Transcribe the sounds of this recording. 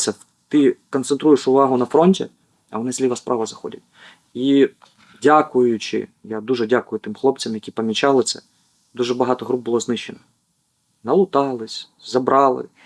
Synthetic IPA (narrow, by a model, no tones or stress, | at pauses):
sʲɐ | t̪ɪkɔnt̪sent̪ɾujɪʂʊʋɑɦʊnɐfɾɔnʲtʲḭ | ɐ̰ʋɔnɪsʲlʲiʋɐspɾʔɑʋɐzɐxɔ̰dʲɐ̰t̚ʲ | i | dʲakʊjʊt͡ʃɪ̰ | jad̪uʐɛdʲakʊjʊt̪ɪmxˠɔp̚t͡sʲɐmjɐkʲipɐmʲit͡ʃɑlˠɪt̪sɛ̰ | d̪uʐɛbɐɦɑt̪ɔɦɾub̚bʊlˠɔznɪʃenɔ | nɐlˠʊt̪ɑlˠɪsʲ | zɐbɾʔɑlˠɪ̰